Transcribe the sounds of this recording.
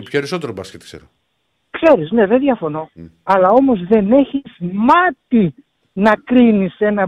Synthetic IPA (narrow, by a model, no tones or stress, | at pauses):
pçoeɾiso̞t̪eɾobɾɐsket̪i̥ksḛɾo | kse̞ɾizne̞ðeðʝɐfo̞no̞ɐlɐo̞mo̞zðe̞ne̞çiz̥mɐt̪i | nɐkɾinise̞nɐ